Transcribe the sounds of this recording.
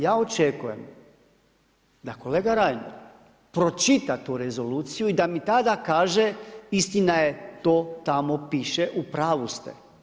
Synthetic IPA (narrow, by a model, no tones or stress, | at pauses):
jaːo̞t͡ʃekujḛm | d̪ako̞leːɡaɾajno̰ | pɾo̞t͡ʃit̪at̪uɾezo̞luːt̪sijuid̪amit̪ad̪akaːʒeist̪inajet̪oːt̪amo̞piʃeʔupɾaːʋust̪ḛ